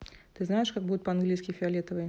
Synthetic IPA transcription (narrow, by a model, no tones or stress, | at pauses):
t̪ɨznajɪʂkaɡ̚bud̪ʊt̪̚ʲpɐanɡlʲijskʲɪfʲɪalʲɛt̪ɐvɨj